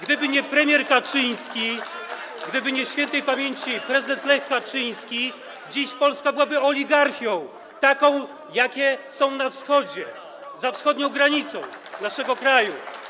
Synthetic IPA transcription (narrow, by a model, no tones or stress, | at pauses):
ɡd̪ɘbɘɲɛpɾɛmʲjɛɾkat͡ʂɘj̃skʲi | ɡd̪ɘbɘɲɛɕfʲjɛnt̪ɛjpamʲjeɲʲt͡ɕipɾɛzɨd̪ɛnt̪lɛxkːat͡ʂɘj̃skʲi | d͡ʑiɕpɔlskabɘwabɘɔlʲiɡaɾxʲjɔ̃w̃ | t̪akɔ̃w̃ | jakʲɛsɔ̃w̃nafsxɔd͡ʑɛ | zafsxɔd̪ɲɔ̃w̃ɡɾaɲit̪sɔ̰̃w̃naʂɛɡɔkɾaju